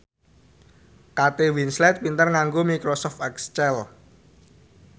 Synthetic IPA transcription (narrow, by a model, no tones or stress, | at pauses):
kat̪ewinslɛt̪̚pint̪ərŋaŋɡomikɾosɔft̪ɛkst͡ʃɛl